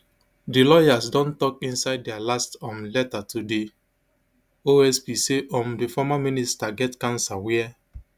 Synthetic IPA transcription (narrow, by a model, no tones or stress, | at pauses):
dilɔjasdɔ̃ntɔk̚ĩnsaɪd̚dɛalastɔ̃mlɛtatʰude | oɛspiseʔɔ̃mdifɔmamĩnistaɡɛtkãnsawɛa